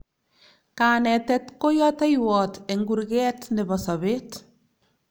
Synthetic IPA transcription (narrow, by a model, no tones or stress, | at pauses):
kaːnɛtɛtkojɔtajwɔteŋɡuɾɡɛtnɪbɔsɔβet